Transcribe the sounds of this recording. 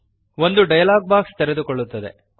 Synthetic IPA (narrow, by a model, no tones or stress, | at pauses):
ʋo̞nd̪uɖɐjɐlaːɡ̚baːkst̪ɛɾed̪ukɔɭːut̪ːɐd̪e̞̰